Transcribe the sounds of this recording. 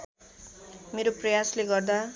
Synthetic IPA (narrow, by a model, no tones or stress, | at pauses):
meɾoprʌjasleɡʌrd̪a